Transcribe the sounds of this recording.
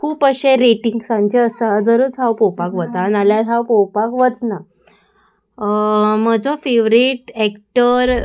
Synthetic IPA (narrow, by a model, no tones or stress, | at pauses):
kʰuːpəɕẽɾeʈiŋɡsãɲt͡ɕeəsad͡zəɾət͡sɦawpowpakʋətanaljaɾɦawpowpakʋət͡sna | məd͡zofeʋɾiʈɛkʈəɾ